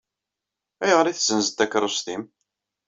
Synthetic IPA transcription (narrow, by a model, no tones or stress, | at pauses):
æjʁəɾiθzənzd̪ækːɾˤosθim